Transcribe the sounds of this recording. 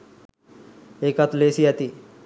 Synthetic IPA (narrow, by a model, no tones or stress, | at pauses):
ekat̪ulesijat̪iː